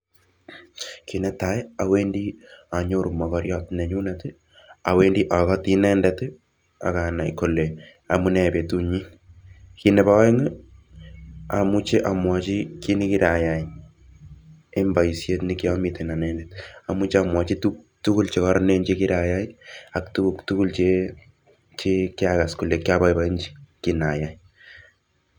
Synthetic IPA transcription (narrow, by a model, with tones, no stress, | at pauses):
ki˨nɛ˦ta˨˦ja˨we˦ndi˦a˨ɲo˦ɾu˨mɔ˨kɔɾjɔ˦tnɛ˨ɲu˦nɛtɨ˦ | a˨we˦ndi˦ʔa˨kɔ˦ti˦nɛ˦ndɛt | a̰˨ka˨na˨jko˨le˨ | a˨mu˦nɛ˨pe˨tu˦ɲi˦ | ki˦nɛ˨ba˦we˦ŋɨ˦ | a˨mu˦t͡ʃe˦ʔa˨mwɔ˨t͡ʃi˦ki˦ni˦ki˦ɾa˨ja˨i | e˦mba˨i˨sje˦tni˦ki˦ɔ˦mite˨na˨nɛ˦ndɛta˨mu˦t͡ʃeamwɔ˨t͡ʃi˦tu | tu˦ku˦lt͡ʃe˨kɔ˦ɾɔne˦ɲd͡ʒi˦ki˦ɾa˨ja˦i˦a˨k̚tuuktu˦ku˦lt͡ʃe˦ | t͡ʃe˦kɪ˦aka˨sko˨le˨kja˦ba˦jba˦i˦nd͡ʒi̥˦kina˨ja˨j